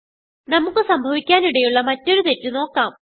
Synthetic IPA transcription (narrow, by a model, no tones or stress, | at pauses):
nɐmukːɨsɐmbʱɐʋikʲːaːniɽejuɭːɐmɐtːo̞ɾut̪e̞tːɨno̞ːkːaːm